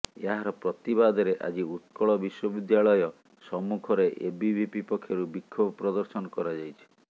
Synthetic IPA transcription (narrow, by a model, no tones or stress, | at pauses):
eaɦaɾɔpɾɔt̪ibad̪ʱɔɾeʔa̰d͡ʒiut̪kɔɭɔbiswɔbid̪jaɭɔjɔ | sɔmukʰɔɾeʔebibibipɔkʰːjɔɾubikʰːɔbɔpɾɔd̪ɔɾsɔnɔkɔɾad͡ʒajt͡ʃʰi̥